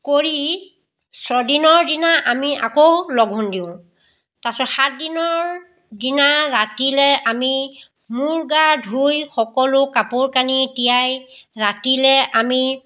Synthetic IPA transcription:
koɹi | sɔdinɔɹdinaʔamiakowlɔɡʱɦundiʊ̃ | tasɔtxat̚dinɔɹ | dinaɹatilɛʔami | muɹɡadʱujxɔkɔlʊkapuɹkanitijajɹatilɛʔami

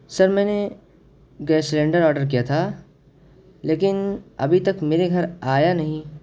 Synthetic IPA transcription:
sɐɾmɛ̃ːne | ɡɛːslẽːɳɖəɾɔːɾɖəɾk̬ijat̪ʰa | leːkɪnɐ̰bʱit̪ɐkmeːɾeɡʱɐɾaːjanɐɦĩ

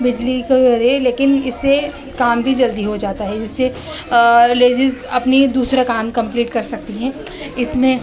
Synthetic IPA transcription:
bɪd͡ʒlikeibɐɾeleːkɪnɪsːe | kaːmbʱid͡ʒɐld̪iɦod͡ʒaːt̪aɦɛd͡ʒɪsːe | leːd͡ʒɪzɐpnid̪uːsɾakaːmkɐ̃mpliːʈkɐɾsɐk̚t̪iɦɛ̃ː | ɪsmẽ

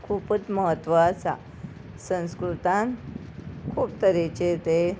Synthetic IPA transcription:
kʰuːpət͡s̪məɦət̪ːʋəːsa̰ | sə̃ñskɾut̪ãn | kʰuːp̚t̪əɾet͡ɕet̪e

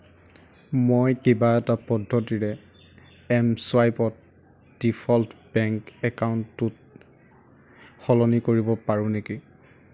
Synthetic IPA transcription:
mojkebaɛtapɔdʱːɔtiɹɛ | ɛmswajpɔt̚ | d̥ipʰɔltʰbɛŋkɛkawntːut | xɔlɔnikoɹibɔpaɹʊ̃neki

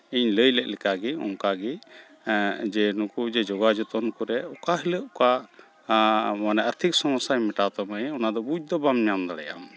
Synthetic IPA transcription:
iɲləjlɛʔ̚lɛkaɡɛɔ̰ŋkaɡɛ | d͡ʒɛnukud͡ʒɛd͡ʒɔɡad͡ʒɔt̪ɔnkuɾɛɔkaɦiləʔɔka | manɛəɾt̪ʰik̚sɔmɔsajmɛʈat̪ɔmaɛɔnad̪ɔbuc̚d̪ɔbamɲamd̪aɽɛja̰m

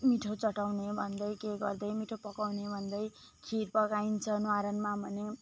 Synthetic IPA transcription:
miʈʰot͡sʌʈawnebʱʌnd̪ʌjkeɡʌ̰rd̪ʌjmiʈʰopʌkawnebʱʌnd̪ʌj | kʰirpʌkaint͡sʰʌnaɾʌnmabʱʌne

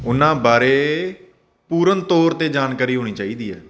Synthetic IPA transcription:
ʊnãːbaːɾeː | puːɾənt̪oːɾt̪eːd͡ʒaːnkaːɾiːɦoːniːt͡ʃaːiːd̪iːɦɛː

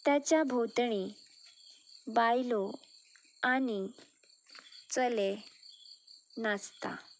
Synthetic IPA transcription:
t̪jat͡ɕjabʱot̪ɳ̃i | bajlɔ | ani | t͡səle | nast̪a̰

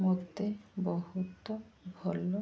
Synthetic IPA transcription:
mɔd̪ːebɔhut̪obʱɔlo

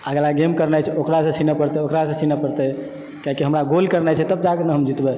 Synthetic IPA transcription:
aɡɛlaɡemkəɾnajt͡ʃʰɛokɾasə̃sʰinəpəɾt̪ɛokɾasə̃sinəpəɾt̪ɛ | kaɦikiɦəmɾaɡolkəɾnajt͡ʃʰɛt̪əbd͡ʒakənəɦəmd͡ʒit̪bɛ

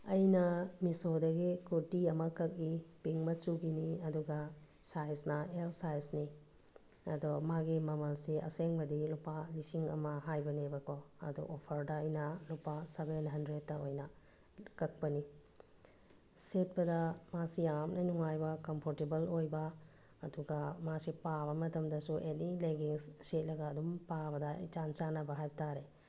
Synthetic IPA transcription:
ɐjnɐmisodɐɡikuɾtiɐmɐkɐk̚ipiŋmɐt͡ʃuɡiniɐduɡɐsajsnɐeɾsajsni | ɐ̰dɔmaɡimɐmɐlsiɐ̰seŋbɐdilupalisiŋɐ̰mɐɦajbɐnebɐkoɐ̰dṵʔopʰɐɾdɐɐjnɐlupasebenɦɐndɾed̚ːɐojnɐ | kɐk̚pɐni | set̚bɐdɐmasiamnɐnuŋajbɐkɐmpʰoɾtebɐlojbɐː | duɡamasipaβɐmɐtɐmdɐsuʔenileɡiŋsset̚lɐɡɐːdumpabɐdɐḭt͡ʃansanɐbɐɦajbɐtʰaɾe

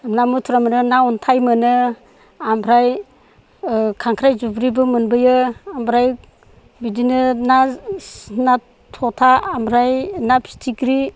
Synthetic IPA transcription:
mnamutʰuɾamɯnɯnaɔntʰajmɯnɯ | ambʰʱɾaj | kʰaŋkʰɾajzubɾibɯmɯnbɯjɯambɾaj | bidinɯna | na | tʰɔtʰaːmbɾajnapʰi̥tʰikɾi

